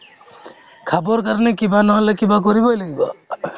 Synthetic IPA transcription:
kʰabɔɾkaɾɔnekibanɔɦɔlekibakɔɾibɔɦjlaɡibɔ

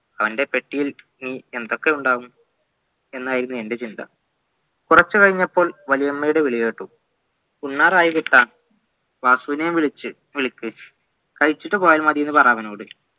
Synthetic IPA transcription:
ɐʋɐnde̞pe̞ʈːijil | niːe̞nd̪o̞kːe̞uɳɖaːʋum | e̞nːaːjiɾunːue̞nde̞t͡ɕind̪ɐ̰ | kurɐt͡ɕːɨkɐɻiɲːɐpːo̞ːɭʋɐlijemːɐjuɽe̞ʋiɭije̞ːʈːu | unːaːraːjuʋit̪ːaːn | ʋaːsuːʋinɐjmʋiɭit͡ɕːɨ | ʋiɭikʲːɨ | kɐɻit͡ɕːiʈːɨpo̞ːjaːlmɐðijenːɨpɐraːʋɐno̞ːɽɨ

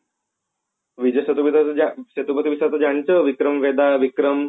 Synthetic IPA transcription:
ʋid͡ʑəɕət̪upit̪aaɕet̪upət̪iʋisat͡s̪əd͡ʑaɳt͡səʋikɾəmʋed̪aʋikɾəm

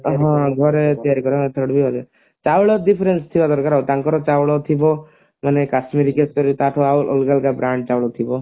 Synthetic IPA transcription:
ɦɔ̃ɡʱɔɾet̪iaɾikɔɾɔt̪ʰəɽbʱibaɾa | t͡ʃawɭɔdipʰɾenst̪ʰibad̪ɔɾkaɾawt̪aŋkɔɾɔt͡ʃawɭɔt̪ʰibɔ | manekasmiɾikeskɔɾit̪aʈʰɔawʔɔ̰lkalkabɾaɳɖ̚t͡ʃawɭɔt̪ʰibɔ

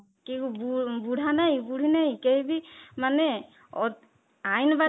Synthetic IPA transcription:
kebubuɽʱanaɦjibuɽʱinaɦikejbimanɛ | ɔ | ajnba

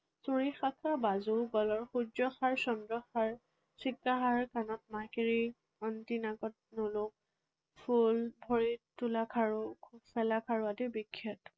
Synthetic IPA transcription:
suɹixakʰabazuɡɔlɔɹxud͡ʒɔxaɹsɔndɹɔxaɹ | sikːaɦaɹkanɔt̚makiɹi | ɔntinaɡɔt̚nolʊk̚ | pʰulbʱɔɹitulakʰaɹʊsɛlakʰaɹʊadibikʰːɔt

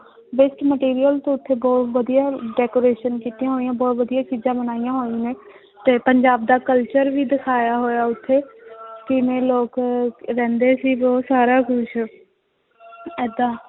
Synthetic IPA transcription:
bɪsʈməʈiːɾijəlt̪õːʊt̪ʰːeːbɔːt̪ʋəd̪ijaːɖɛːkoːɾeːʃənkiːt̪ijãːɦoːijãːbɔːt̪ʋəd̪ijaːt͡ʃiːzãːbənaːijãːɦoːiːneː | t̪eːpəɲd͡ʒaːb̚d̪aːkəlt͡ʃəɾʋiːd̪ɪkʰaːjaːɦoːjaːʊt̪ʰːeːkɪmẽːloːkɾɛ̃ːnd̪eːsiːbɔːt̪saːɾaːkʊʃ | ɛːd̪ãː

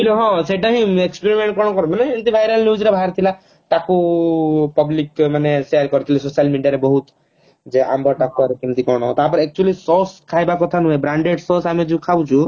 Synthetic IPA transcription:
kiluɦɔ̃seʈaɦĩekspeɾimeɳʈ̚kɔ̃ɔkɔɾumaneent̪ibʱajɾalnjud͡ʒɾebʱaɾt̪ʰila | ʈaku | pɔblikmanesealkɔɾit̪ʰilisosijalmiɖijaɾebɔɦut̪ | d͡ʒeʔa̰mbʱɔʈakuaɾekimt̪ikɔɽ̃ɔɦɔ̃t̪apɔɾiek̚t͡ʃualisoskʰajbakɔt̪ʰanũẽbɾaɳɖeɖsosamid͡ʒũkʰawt͡ʃʰũ

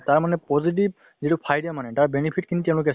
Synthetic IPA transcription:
taɹmanɛpɔzit̬ib̚ | zitʊpʰajdɛmanɛtaɹbɛnipʰit̚kʰinitɛʊ̃lʊk̬ɛ

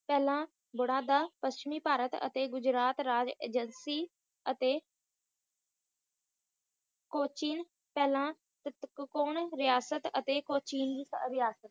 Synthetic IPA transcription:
pɛːlãː | bʊɽãːd̪aːpəst͡ʃɪmiːpaːɾət̪ə̰t̪eːɡʊd͡ʒɾaːt̪ɾaːd͡ʒḛːd͡ʒənsiː | ət̪eː | koːt͡ʃiːn | pɛːlãː | t̪ət̪kkoːɳɾɪjaːsət̪ə̰t̪eːkoːt͡ʃiːnd̪iːsɾɪjaːsət̪

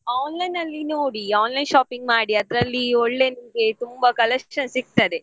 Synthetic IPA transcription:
aːnlɐjnɐlːinoːɽiaːnlɐjnʃaːpiŋɡ̚maːɽiɐd̪ɾɐlːioɭːe̞nɐmɐɡe̞t̪umbɐkɐlɐʂɐnsiɡ̚t̪ɐd̪e

